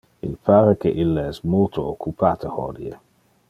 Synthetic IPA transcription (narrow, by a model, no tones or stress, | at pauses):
ḭlpʰaːɾek̟eʔilːaɛsmolt̪ʰoːkʰːupʰaːt̪əhɔ̰d̪iḛ